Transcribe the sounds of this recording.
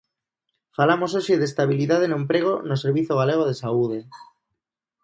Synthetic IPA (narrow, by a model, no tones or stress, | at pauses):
falamos̬oʃeðest̪aβ̞iliðað̞enõmpɾeɣ̞onoseɾβ̞iθjoɣ̞aleɣ̞oð̞esauð̞e